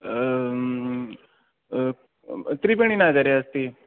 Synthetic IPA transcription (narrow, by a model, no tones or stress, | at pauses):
t̪ɾipeɳ̃inad͡zaɾeəst̪iː